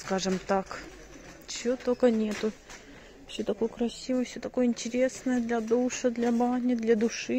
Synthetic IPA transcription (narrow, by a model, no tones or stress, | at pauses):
skaʐɨmt̪ak | t͡ɕɪot̪okənʲe̞t̪ʊ | fsʲot̪ɐko̞jəkɾɐsʲivəjfsʲot̪ɐko̞jəɪnʲtʲɪɾʲesnəjəd̪lʲɐd̪uʂɐd̪lʲɐbanʲɪd̪lʲɐd̪ʊʂɨ